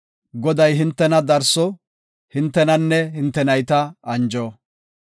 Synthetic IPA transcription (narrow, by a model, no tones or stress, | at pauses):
ɡɔd̪ɐjɦɪnt̪ːɛnɐd̪ɐɾsɔ | hɪnt̪ːɛnɐnːɛhɪnt̪ːɛnɐjt̪ɐɐnd͡ʒɔ